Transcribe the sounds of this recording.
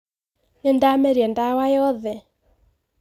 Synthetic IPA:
nendamɛɾiɛndawajɔðɛ

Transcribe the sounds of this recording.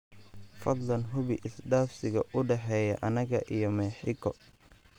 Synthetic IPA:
fɐd̪ˤlɐnɦʊβɪʔɪsɖaːfsɪɣɐʔʊɖɛħɛːjɐ̰ʔɐnɐɣɐʔijɔmɛːħɪɣɔ

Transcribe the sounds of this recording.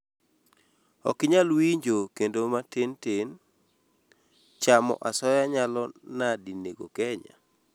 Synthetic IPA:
ɔkɪɲalwiɲd͡ʒokendomatɪntɪn | t͡ʃamɔ̰ʔasɔjaɲalɔnadineɡo̰kɛɲa̰

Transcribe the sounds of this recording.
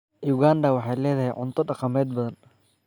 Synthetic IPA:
juɣaːnd̪ɐwɑħɑjlɛːðɐɦɛjʕʊ̰nt̪ʰɔɖɑqɑmɛːd̪̚bɐðɐn

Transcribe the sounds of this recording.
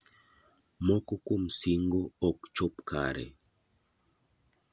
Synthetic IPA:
mɔkɔkum̩siŋɡɔɔkt͡ʃɔpka̰ɾɛ̰

